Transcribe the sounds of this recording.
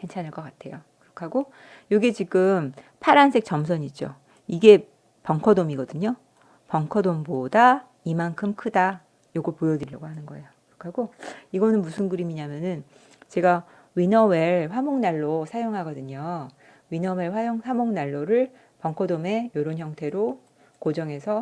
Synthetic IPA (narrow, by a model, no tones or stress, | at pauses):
kent͡ɕʰanɯɭk͈ʌk͈atʰe̞jokɯɾʌkʰaɡo | joɡit͡ɕiɡɯm | pʰaɾansʰe̞k̚t͡ɕ͈ʌmsʰʌɲid͡ʑo̰ | iɡe̞ | pʌŋkʰʌdomiɡʌdɯɲo | pʌŋkʰʌdomboda | imankʰɯmkʰɯda | joɡopojʌdɯʎːʌɡoɦanɯnɡʌe̞jokɯɾʌkʰaɡoiɡʌnɯnmusʰɯnɡɯɾimiɲamjʌnɯn | t͡ɕe̞ɡa | wɥinʌweɭɸwamoŋnaɭːosʰajoŋɦaɡʌdɯɲo | ɥinʌweɭɸwajoŋsʰamoŋnaɭːoɾɯɭ | pʌŋkʰʌdome̞joɾonçjʌŋtʰe̞ɾo | kod͡ʑʌŋɦe̞sʰʌ